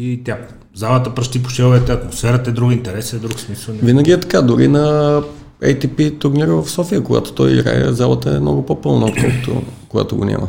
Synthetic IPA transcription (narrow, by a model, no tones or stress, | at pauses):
it̪ʲja | zalˠət̪əpɾɐʃt̪ip̬o̥ʃɛlˠvɛt̪ɛɐt̪mosfɛɾət̪ɛd̪ɾuɡint̪ɛɾɛsɛd̪ɾuksmisəvinəɡʲiɛt̪ɐ̥kad̪ʊɾinɐ | ɛjt̪ipit̪ʊɾniɾəvɐfsɔfijəkoɡa̰t̪o̥t̪ɔjḭɡɾa̰jɛ̰zalˠət̪əɛmnɔɡʊpopɤlˠnəot̪kɔ̰lˠkə̥t̪o̰koɡa̰t̪oɡo̰nʲa̰mʔə̰